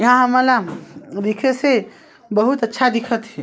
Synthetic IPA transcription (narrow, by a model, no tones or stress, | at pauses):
jəɦãɦəməlad̪ikʰese | bəɦut̪ətːʃʰad̪ikʰət̪ɦɛ